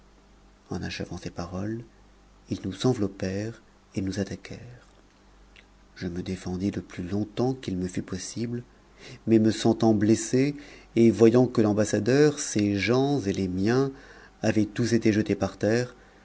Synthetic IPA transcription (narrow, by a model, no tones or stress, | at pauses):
ɑ̃naʃəvɑ̃sepaʁɔl | ilnuzɑ̃vlɔpɛʁ | enuzat̪akʰɛʁ | ʒ̥əməd̪efɑ̃d̪id̪əplylɔ̃t̪ɑ̃kilməfypɔsibl | mɛməsɑ̃t̪ɑ̃bleseːvwajɑ̃kəlɑ̃basad̪œʁseʒɑ̃zelemjɛ̃ | avɛt̪uset̪eʒət̪epaʁt̪ɛːʁ